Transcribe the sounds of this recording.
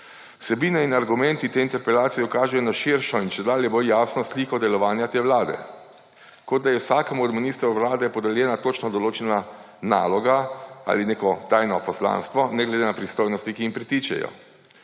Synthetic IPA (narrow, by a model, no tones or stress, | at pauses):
sɛbiːnɛinaɾɡumɛ̃nt̪it̪eːint̪ɛɾpɛlaːt̪sijɛukaːʒɛjɔnaʃiɾʃɔinʃɛd̪aːljɛboljaːsnɔslikɔd̪ɛlɔʋaːnjat̪eːwlaːd̪ɛ̰ | kod̪̚d̪ajɛwsaːkəmuɔd̪miniːst̪ɾuwlaːd̪ɛpɔd̪ɛljɛːnat̪oːt͡ʃnɔd̪ɔloːt͡ʃɛna | naːlɔɡaa̰ːlineːkɔt̪aːjnɔpɔsla̰ːnst̪ʋɔnɛɡlɛd̪enapɾist̪oːjnɔst̪ikiimpɾit̪iːt͡ʃɛ̰jɔ̰